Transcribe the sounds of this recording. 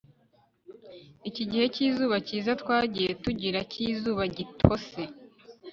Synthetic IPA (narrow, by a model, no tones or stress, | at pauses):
iciɟihe̞ciːzuːβaciːzatwaːɟije̞tuɟiɾacʰizuːβaɟitʰo̞se̞